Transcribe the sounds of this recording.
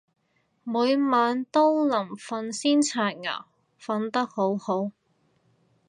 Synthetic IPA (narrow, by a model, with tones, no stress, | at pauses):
muː˨˧jmaː˨˧nt̪o˥wlɐ˨˩mfɐ˧nsiː˥nt͡sʰaː˧t̚ŋa̰ː˨˩w | fɐ˧nt̪ɐ˥k̚ho˨˥who˨˥w